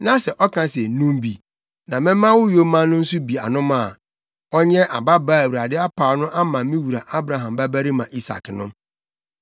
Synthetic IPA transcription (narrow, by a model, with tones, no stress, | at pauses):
nã˦sɛ˨ʔɔ˦kʰã˦sɛ˨nũ˦mbi˨ | nã˨mɪ̃˦mã˦wʊ˦jo˦mã˦nʊ̃˦n̩˦su˦bi˨a˨nʊ̃˦mã˦˨ | ɔ˦ɲɛ̃˦ʔa˨ba˦baː˦˨æ˨wu˨ɾa˨dɪ˦a˦pʰa˨˦nʊ̃˦ʔa˦mã˨mĩ˦wu˨ɾa˨ʔa˦bɾa˨ɦã˨mbæ˦bæ˦ɾi˦mã˨ʔi˦sa̰˨knʊ̃˦